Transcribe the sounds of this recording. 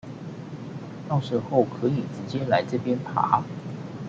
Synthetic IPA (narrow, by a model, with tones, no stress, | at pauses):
tɑ˥˧ŋʂə˥˧xo˥˩ʊkʰɤ˨˧˥i˨˩ʈ͡ʂɻ̩˨˥t͡ɕjɛ˥la˧˥ɪʈ͡ʂɤ˥˩pjɛ˥npʰa̰˧˥˦